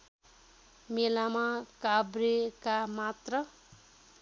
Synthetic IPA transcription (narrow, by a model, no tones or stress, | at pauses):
melamakabrekamat̪rʌ